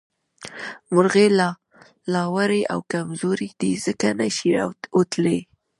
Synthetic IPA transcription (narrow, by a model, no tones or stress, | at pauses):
mʊɾɣelɑ | lɑwaɾeʔa̰wkamzoɾid̪̥iz̥əkanaʃiot̪le